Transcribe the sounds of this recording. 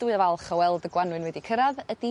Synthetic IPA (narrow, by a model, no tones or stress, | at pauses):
d̥wɨavalˠχɔwɛlˠdəɡwanwɨnwɛdikʰəɾaðədi